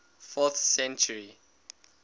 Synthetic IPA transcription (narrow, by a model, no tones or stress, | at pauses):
fɔθsɛ̃nt͡ʃuɹi